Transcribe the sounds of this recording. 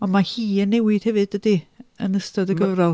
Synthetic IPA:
ɔnmahiːənːɛwɪd̥hɛvɨd̥ədiə̰nəstɔdəɡəvrɔlˠ

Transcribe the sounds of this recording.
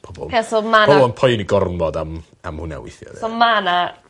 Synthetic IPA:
b̥ɔbɔ̰lˠasomaɔbɔnpʰɔjniɡɔrnvɔdam | amhʊna̰wɪ̰θjɔ̰ðsɔmana

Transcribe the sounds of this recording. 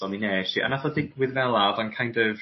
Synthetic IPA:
ɔnineʃiʔa̰nafɔθɪŋkʰwɪðvɛlˠavankʰãjndəv

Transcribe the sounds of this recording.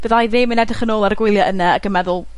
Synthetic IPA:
b̥əðajðɪːmənɛdəχənoːlˠaɾəɡwɪlˠjaʔənaːɡəmɛðʊlˠ

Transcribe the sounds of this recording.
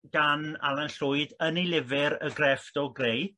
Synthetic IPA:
ɡ̥ana̰lˠanɬʊɨdənilˠɪvɪɾəɡrɛfdɔɡrej

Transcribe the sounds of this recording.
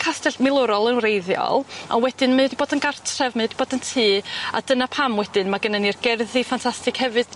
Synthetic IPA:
kʰastɛɬmɪlˠʊɾɔlˠənrejðjɔ̰lˠɔ̰nwɛdɪnmaadiboːdənɡartʰrɛvmadiboːdəntʰiːa̰d̥ənapʰamwɛdɨnmaɡənənirɡɛrðifantʰastɨkhɛvɨd̥

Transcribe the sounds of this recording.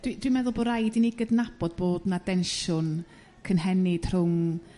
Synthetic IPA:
d̥widwimɛðʊlˠbɔɾajdiniɡədnab̥ɔd̚boːdnadɛnʃʊn | kʰənɦɛnɪd̥r̥ʊŋ

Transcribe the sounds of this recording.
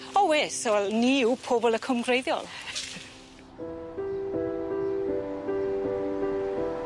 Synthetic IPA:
ɔweːsəwɛlˠniupʰoːbɔlˠəkʰəmɡrejðjɔ̰lˠ

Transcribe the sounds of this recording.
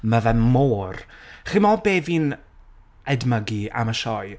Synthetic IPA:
məvɛmːoːrχɪmɔbeːviːn | ɛdməɡia̰məʃɔj

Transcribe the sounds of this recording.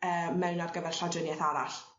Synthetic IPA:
əːmɛwnarɡəvɛr̥ɬadənjɛθaɾaɬ

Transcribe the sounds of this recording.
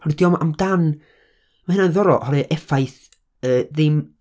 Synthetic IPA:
hɔrɨdjɔma̰mdan | mahɪnanðɔɾɔ̰ʔhɔɾɨʔɛfajθ | əːðɪm

